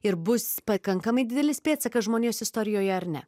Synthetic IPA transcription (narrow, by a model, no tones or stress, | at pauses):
ɪɾbʊspɐkɐŋkɐmɐɪd̪ʲɪd̪ʲɛlʲɪsʲpʲeːt̪sɐkɐsʒmoːnʲeːsɪst̪ɔɾʲɪjoːjɛɐɾnʲɛ̰